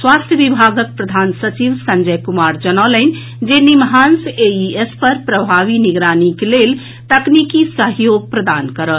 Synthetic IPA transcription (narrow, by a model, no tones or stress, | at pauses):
swast̪ʰjəbibʱaɡək̚pɾəd̪ʱansət͡ʃiʋsə̃nd͡ʒəjkumaɾd͡ʒənələn | d͡ʒenimɦanseiespəɾpɾəbʱaʋiniɡɾanikelel | t̪əknikisəɦjoɡ̚pɾəd̪ankəɾət̪